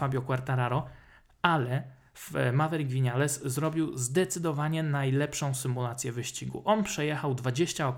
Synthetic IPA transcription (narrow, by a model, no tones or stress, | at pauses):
fabʲjɔkwaɾt̪aɾaɾɔ | alɛ | fmavɛɾiɡvʲiɲalɛszɾɔbʲiwzd̪ɛt̪sɘd̪ɔvaɲɛnajlɛpʂɔ̃w̃sɘmulat̪sʲjɛvɘɕt͡ɕiɡṵʔɔnpʂɛjɛxawd̪vad͡ʑeɕt͡ɕaɔk